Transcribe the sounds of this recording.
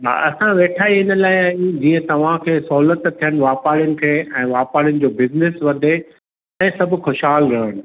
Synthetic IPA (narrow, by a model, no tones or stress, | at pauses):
ɦa̰ːɐsãʋeːʈʰaːiɪnə̆laːɪaːid͡ʑiːə̃t̪ɐʋ̤ãkʰeːsɐɦuːlət̪t̪ʰːijəñɪ̆ʋaːpaːɾɪjʊnɪ̆kʰeːɛ̃ːʋaːpaːɽijʊñɪ̆d͡ʑoːbɪznɪsʋɐd̪ʱe | ɛ̃ːsɐbʱʊ̆xʊʃɦaːlɾɐəɽ̃ɪ̆